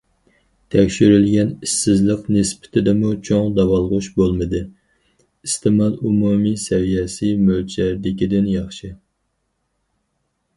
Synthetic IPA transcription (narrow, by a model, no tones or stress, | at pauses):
t̪ʰɛkʲʃyɾylɡʲɛnisːɪzlˠəqnɨspɪ̥t̪ʰɪd̪ɛmut͡ʃʰoŋd̪ɑwɑlˠʁʊʃbolˠmɨd̪ɨ | ist̪ʰɨmɑlumumisɛvijɛsɪmølt͡ʃʰɛɾd̪ɪkʲid̪ɪnjɑχʃɨ